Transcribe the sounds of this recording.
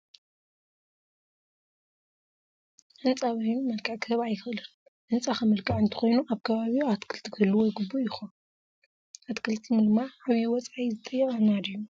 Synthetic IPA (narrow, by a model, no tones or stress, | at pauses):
ʔɨnt͡sʼaβajnumɐlkʼaʕkʰɨt̪ʰɐβajɪxɨɨlɨ | ʔɨnt͡sʼaxamɐlkʼaʕɨnt̪ʰɨ̥xo̞jnuʔaβkʰɐβaβiat̪kʰɨlt̪ʰikʰɨɨlːɨwojɨɡɨbːujɪxo | ʔat̪kʰɨlt̪ʰɨnd̪ɨmːaaβijowɔt͡sʼajzɨt̪ʼɐjːɛkʼanad̪ijːu